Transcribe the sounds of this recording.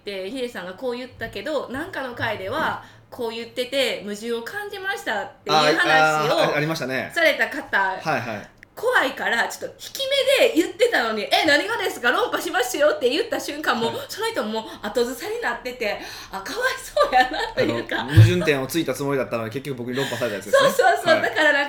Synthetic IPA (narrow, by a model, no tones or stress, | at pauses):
t̪e̞çiɾesãŋɡako̞ːjɯ̟t̪ːake̞d̪o̞nãŋkano̞kaid̪e̞βa | kʰo̞ːjɯ̟t̪ːe̞t̪e̞mɯ̟ʑɨ̃ɰ̃o̞kãɲ̟d͡ʑimaɕi̥t̪att̪ːejɯhannaɕijoaɾimaɕit̪anesaɾe̞t̪akat̪ahaiaḭ | kʰo̞βaikaɾat͡ɕo̞̥t̪ːo̞çi̥kʲime̞d̪e̞jɯ̟t̪ːe̞t̪ano̞ɲ̟iʔenaɲ̟iɡad̪esɨ̥kaɾõ̞mpaɕimasɨjo̞t̪ːe̞jɯ̟t̪ːaɕɨ̃ŋkãmːo̞ːsonoçit̪omo̞ːat̪o̞zɨsaɲ̟inat̪ːe̞t̪e̞ | akaβaiso̞ːjanat̪ːojɯ̟ːkamɯ̟ʑɨ̃nt̪ẽ̞ɰ̃o̞t͡sɨit̪at͡sɨmo̞ɾʲid̪at̪ːanod̪eke̞kʲːo̞kɯ̟bo̞kɯ̟ɲiɾõ̞mpasaɾet̪ajat͡sɨdeso̞ːsoːsoːd̪akaɾanã